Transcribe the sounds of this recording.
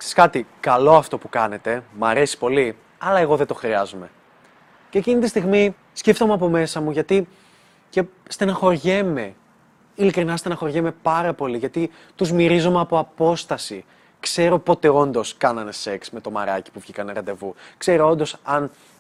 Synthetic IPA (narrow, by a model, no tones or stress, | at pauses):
kse̥skɐt̪ikɐlo̞ɐft̪o̞pukɐne̞t̪e̞mɐɾe̞si̥po̞li | ɐlɐe̞ɣo̞ðet̪o̞xɾiɐzome̞ | ceːcinit̪ist̪iɣmi | sceft̪o̞mɐpo̞me̞sɐmuʝɐt̪i | ce̞st̪enɐxo̞ɾʝeme̞ | ilikɾinɐst̪e̞nɐxo̞ɾʝeme̞pɐɾɐpo̞liʝɐt̪i | t̪uzmiɾizomeɐpo̞ɐpo̞st̪ɐsi | kse̞ɾo̞po̞t̪e̞o̞nd̪o̞skɐnɐne̞se̞ksme̞t̪o̞mɐ̰ɾɐ̰ci̥puvʝikɐneɾɐnd̪e̞vukse̞ɾo̞o̞nd̪o̞sɐn